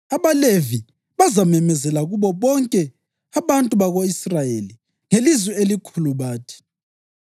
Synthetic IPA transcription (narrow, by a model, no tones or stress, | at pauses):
aβalevi | βazamɛmɛzɛlaɣuβɔβɔŋkʼɛ | aβantʼuβaɣoisrajeli | ŋelizwɛelikʰuluβaːtʰi̥